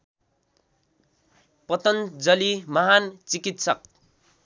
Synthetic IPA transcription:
pʌt̪ʌnd͡zʌlimʌɦant͡sikit̪sʌk̚

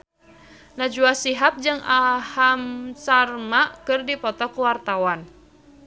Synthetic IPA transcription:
nad͡ʒuasiɦap̚d͡ʒɨŋʔahamsarmaʔkɨrdipɔt̪ɔkuwart̪awan

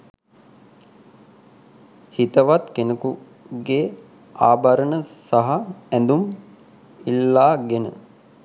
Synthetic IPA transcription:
hit̪əʋat̪kenəku | ɡeː | aːbaɾənəsaɦɐænd̪um | ilːaːɡenə̰

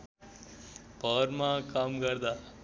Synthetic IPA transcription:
pəɾmãkaːmkəɾd̪a

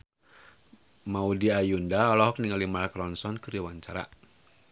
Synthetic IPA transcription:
maudiajundaɔlɔɦɔk̚niŋalimalkɾɔnsɔnkɨɾiwaɲt͡ʃaɾa̰

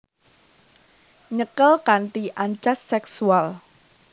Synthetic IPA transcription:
ɲəkəlkanʈiʔaɲt͡ʃasːɛksual

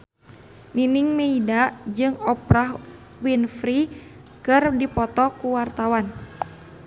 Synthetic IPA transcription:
niniŋmeidad͡ʒɨŋɔpɾaɦ | winfɾi | kɨrdipɔt̪ɔkuwart̪awan

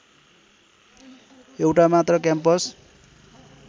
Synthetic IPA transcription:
ewʈamat̪rʌkjampʌs

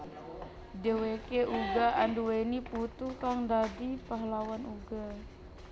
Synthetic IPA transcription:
dewekeʔuɡaanduweniput̪ukaŋdadipaɦlawanuɡa

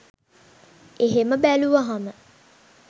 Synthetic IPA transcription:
eɦeməbæluʋaɦamə

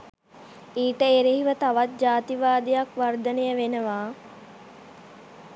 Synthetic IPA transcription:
iːʈəeɾeɦiʋət̪aʋat̪̚d͡ʒaːt̪iʋaːd̪ijakʋard̪ənejəʋenəʋaː

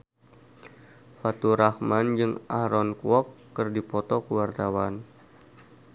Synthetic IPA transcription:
fat̪uɾahmand͡ʒɨŋʔa̰hɾɔnkuɔkːərdipɔt̪ɔkəwart̪awan

